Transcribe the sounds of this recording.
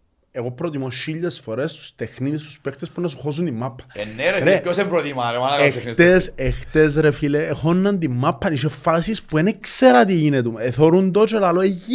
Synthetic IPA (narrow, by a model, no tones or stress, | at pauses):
eɣopɾot̪imoʃiʎːesfoɾest̪u̥st̪exnit̪ist̪u̥spext̪espunɐsuxos̬und̪imːapʰːɐ̥enːeɾeɾeosempɾot̪imaɾemanɐeit̪esext̪es̬ɾefileːxonːɐnd̪imːapːɐniʃefːasispuenekseɾɐt̪iʝinet̪umeθoɾund̪ot͡ʃelaloei